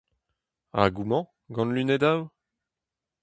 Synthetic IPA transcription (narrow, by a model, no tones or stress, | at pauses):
a̰ɡumɑ̃ | ɡɑ̃nlyned̪aw